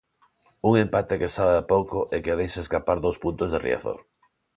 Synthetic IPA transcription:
uŋempat̪ekesaβeapowkoʔɛkeðejseskapaɾðowspunt̪ozðerḭa̰θo̰ɾ

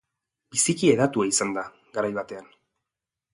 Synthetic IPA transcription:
bisikie̞ðat̪ueisand̪a | ɡaɾajβat̪e̞an

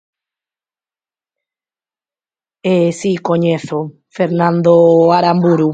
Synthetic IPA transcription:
esikoɲeθo | feɾnãnd̪oaɾambuɾu

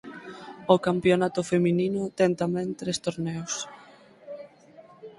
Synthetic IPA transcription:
okampjonat̪ʊfemininʊt̪ɛŋt̪amɛ̃ŋt̪ɾest̪oɾnɛws

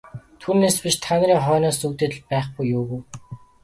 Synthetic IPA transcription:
t̪ʰuːneːspiʃt̪ʰanɾiːŋχœːnɔːsukt̪eːt̪ɮpæːχpujːʊːɣuw

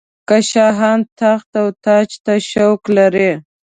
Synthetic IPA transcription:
kaʃɑɦɑnt̪axt̪awt̪ɑt͡ʃt̪aʃowklaɾe

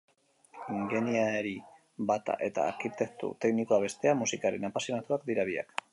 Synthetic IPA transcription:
ɡe̞niaeɾi | bat̪a̰ʔe̞t̪a̰ːɾkit̪e̞k̚t̪ṵt̪e̞knikoaβ̞e̞st̪e̞amusikaɾe̞napasjo̞nat̪uak̚d̪iɾaβia̰k

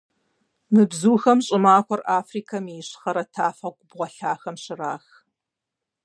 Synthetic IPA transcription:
mɨbzuːxɐmɕʼɪmaːxʷɔraːfriːkʰɐmiɕχɐɾɐtʰaːfɐɡʷʊbʁʷɔɬaːxɐmɕɪraːx

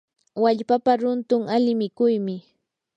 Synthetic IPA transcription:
waʎpapaɾʊnt̪ʊŋalɪmɪkʊjmɪ

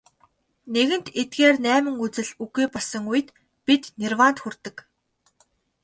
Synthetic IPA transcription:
neɣɘ̆n̥t̪et̪̚ɡeːrnæːmɘ̆ŋut͡sɘ̆ɮuɣiːpɔɮsə̆ŋujɘ̆t̪ | pit̪nerwaːnt̪xurt̪ɘ̆k

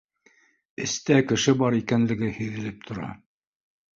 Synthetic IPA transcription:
ɘ̰̆st̪ækɘ̆ʃɘbɑɾikænlɘ̆ɡɘhɵ̆jðɘ̆lɘp̚t̪ʰŏɾɑ̰

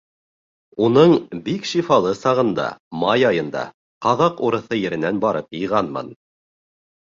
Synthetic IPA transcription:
unɤɴbikʃifɑlˠɤsɑʁɤ̆nd̪ɑ̰mɑjɑjɤ̆nd̪ɑ̰ | qɑðɑquɾɤ̆θɤjɘ̆ɾɘ̆nænbɑɾɤpjɤ̆ʁɑnmɤ̰n

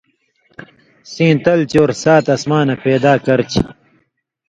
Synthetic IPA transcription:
sĩːt̪ɐlt͡ɕoːɾsaːt̪ɐsmaːnɐpeːd̪aːkɐɾt͡ɕʰi

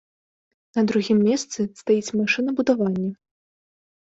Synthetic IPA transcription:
nɐd̪ɾuɣʲimːʲɛst̪sɨst̪ajit͡sʲmaʂɨnɐbud̪avanʲːɛ

